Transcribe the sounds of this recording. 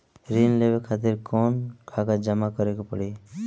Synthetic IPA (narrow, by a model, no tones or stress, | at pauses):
ɾinlebekʰat̪iɾkɔnkʰakad͡ʒəmakɔɾekopɔɽi